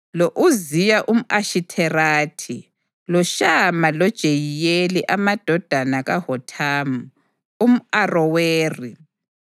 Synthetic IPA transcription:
lɔʔuzijaʔum̩ʔaʃitʰɛraːtʰi | lɔʃamalɔd̥ʒ̥ʱejijeliʔamad̥ʱɔd̥ʱanaɣahɔtʰamu | um̩arɔweːri

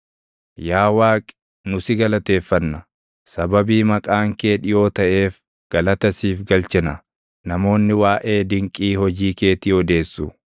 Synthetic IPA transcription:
jaːwaːkʼ | nʊsɪɡɐlɐt̪e̞ːfːɐnːɐ | sɐbɐbiːmɐkʼaːŋke̞ːᶑɪjo̞ːt̪ɐʔe̞ːf | ɡ̥ɐlɐt̪ɐsiːfɡɐlt͡ʃɛnɐ | nɐmo̞ːnːɪwaːʔe̞ːd̪ɪŋkʼiːhɔd͡ʒiːke̞ːt̪iːɔd̪e̞ːsːʊ

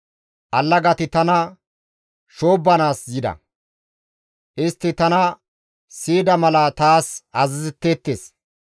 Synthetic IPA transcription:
ʔɐlːɐɡɐt̪ɪt̪ɐnɐ | ʃo̞ːbːɐnaːsjɪd̪ɐ̰ | ʔɪst̪ːɪt̪ɐnɐ | siːd̪ɐmɐlɐt̪aːsɐzɪzɪt̪ːeːt̪ːeːs

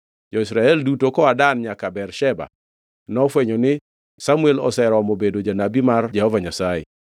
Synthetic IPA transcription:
d͡ʒɔisɾaɛldutokɔadanɲakabɛrʃɛba̰ | nɔfweɲonɪ | samuelɔ̰sɛɾɔmobedod͡ʒanabimard͡ʒɛhɔvaɲasaḛ

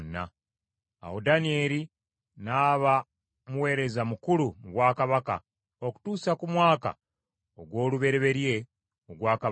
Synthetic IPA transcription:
nːa̰ | a̰wodanie̞ɾi | naːβa | muwe̞ːɾe̞zamukulumuβwaːkaβaka̰ | o̞ku̥tuːsakumwaːka̰ | oɡwo̞ːluβe̞ɾeβe̞ɾje̞ | oɡwaːka

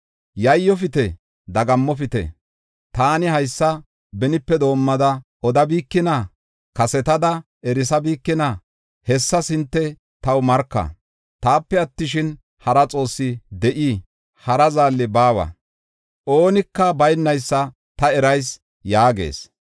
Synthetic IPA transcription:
jɐjːɔfɪt̪ɛ | d̪ɐɡɐmːɔfɪt̪ɛ̰ | t̪aːnɪɦɐjsːɐ | bɛnɪpːɛd̪o̞ːmːɐd̪ɐʔɔd̪ɐbiːkːɪnɐ | kɐsɛt̪ɐd̪ɐ | ʔɛɾɪs̬ɐbiːkːɪnɐ | hɛsːɐsɪnt̪ːɛ | t̪ɐwmɐɾkːɐ̰ | t̪aːpːɛɐt̪ːɪʃɪn | hɐɾɐt͡sʼo̞ːsːɪd̪ɛʔi | hɐɾɐzaːlːɪbaːwɐ̰ | ʔo̞ːnɪkːɐbɐjnːɐjsːɐ | t̪ɐɛɾɐjs | jaːɡe̞̰ːs

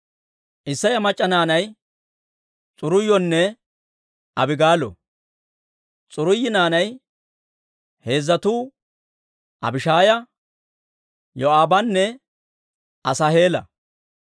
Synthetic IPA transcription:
ʔɪsːɐjɐmɐt͡ʃʼːɐnaːnɐj | t͡sʼʊɾʊjːɔnːɛ | ʔɐbɪɡaːlɔ̰ | t͡sʼʊɾʊjːɪnaːnɐj | he̞ːzːɐt̪uː | ʔɐ̰bɪʃaːjɐ | jɔaːbɐnːɛ | ʔɐsɐhe̞ːlɐ̰

